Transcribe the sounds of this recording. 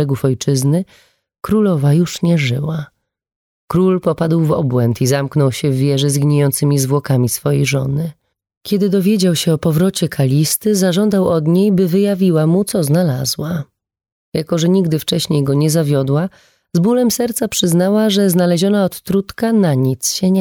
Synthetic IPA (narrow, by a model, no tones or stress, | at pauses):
ɛɡufɔjt͡ʂɘznɘ | kɾulɔvajuʂɲɛʐɘ̰wa | kɾulpɔpad̪wvɔ̰bwɛnt̪izamknɔwɕɛvːʲjɛʐɛzɡɲejɔnt̪sɘmʲizvwɔkamʲisfɔjejʐɔ̰nɘ | kʲɛd̪ɘd̪ɔvʲjɛd͡ʑawɕɛɔpɔvɾɔt͡ɕɛkʰalʲist̪ɘzaʐɔnd̪awɔd̪ɲejbɘvɘjavʲiwamut̪sɔznalazwa | jakɔʐɛɲiɡd̪ɘft͡ʂɛɕɲejɡɔɲɛzavʲjɔd̪wa | zbulɛmsɛɾt̪sapʂɘznawaʐɛznalɛʑɔnaɔt̪ːɾut̪kanaɲit̪sɕɛɲɛ